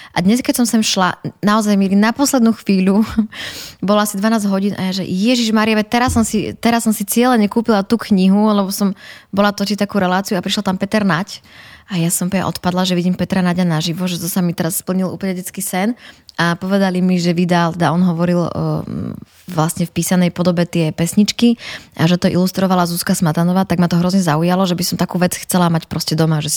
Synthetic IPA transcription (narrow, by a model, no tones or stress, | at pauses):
ʔad̪ɲɛskɛcsɔmsɛmʃlanaɔzajmiɛɾinapɔslɛd̪nuːxʋiːʎu | bɔlɔasid̪ʋanaːzɟɦɔɟiːnʔa̰jaʒɛ̰jɛʒiʒmaːɾijɛʋɛt̪ɛɾassːɔmsit̪ɛɾasːɔmsit͡sɪɛlɛɲɛkuːpilat̪uːkɲiɦulɛbɔsɔmbɔlat̪ɔt͡ʃit̪akuːɾɛlaːt͡siuapɾiʃlat̪ampɛt̪ɛɾnacʔajasɔmpɛɛ̰ʔɔ̰t̪pad̪laʒɛʋiɟiːmpɛt̪ɾanaɟanaʒiʋɔʒɛt̪ɔsamit̪ɛɾasspl̩ɲiluːplɲɛɟɛt͡skiːsɛnapɔʋɛd̪alimiʒɛʋid̪alt̪ɛd̪aʔɔnɦɔʋɔɾil | ʋlasɲɛfpiːsanɛjpɔd̪ɔbɛt̪ɪɛpɛsɲit͡ʃkiʔaʒɛt̪ɔʔḭlust̪ɾɔʋalazuskasmat̪anɔʋaːt̪aɡmat̪ɔɦɾɔzɲɛzaujalɔʒɛbisɔmt̪akuːʋɛt͡sxt͡sɛlamacpɾɔscɛd̪ɔmaʒɛ